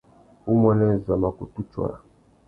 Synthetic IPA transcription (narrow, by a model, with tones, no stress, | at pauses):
u˦mɔ˦nɛ˦˨za˨ma˨ku˨tu˦t͡ʃwa̰˨